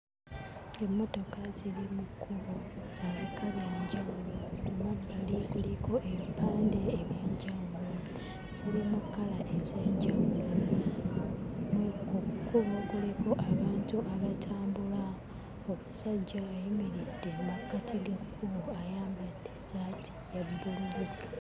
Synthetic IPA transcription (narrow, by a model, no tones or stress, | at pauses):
e̞mːo̞to̞kazilimukʰːuβoz̥ezikʰaβjeɲɟaulomabalikulikʰo̞ʔeβipaːnde̞ːβje̞ːɲɟawulo | z̥ilimukːalaʔezeːɲɟawulo | mkukuβokulekoʔaβaːntuʔaβatʰaːmbula | omusaɟːaweimiɾidemakːatilikʰːuβoajaːmbadːe̞satʰi̥jabuli